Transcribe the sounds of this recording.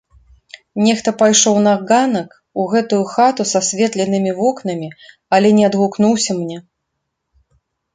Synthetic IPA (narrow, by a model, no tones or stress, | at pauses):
nʲɛxt̪ɐpajʂɔwnaɡanɐk | uɣɛt̪ujuxat̪usasʲvʲɛt̪lʲɛnɨmʲivɔknɐmʲi | ɐlʲɛnʲɛɐd̪ɣukn̪uwsʲɐmnʲɛ